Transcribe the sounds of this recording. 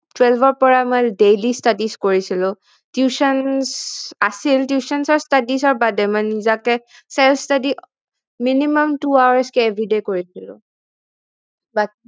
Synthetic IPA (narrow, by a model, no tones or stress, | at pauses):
twɛlbʱɔɹpɔɹamɔjdelistadiskoɹisilʊ̃ | tjusɔnsasiltjusɔnsɔɹstadisɔɹbadɛmanizakɛ | sɛlstadi | minimɔmtuawaskɛːbʱɹidekoɹisilʊ̰̃ | ba